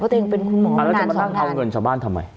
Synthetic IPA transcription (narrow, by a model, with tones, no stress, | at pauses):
ɔː˥˩t̪ːʔeː˧ŋpe˧nkʰu˧nmɔː˨˦˨ɾaː˥˩t͡ɕa˧˨ma˧t̪ʰa˥˩˨t̪ʰa˧wŋɤ˧nt͡ɕaː˨˩k̚baː˥˩nt̪ʰa˧mːa̰˧j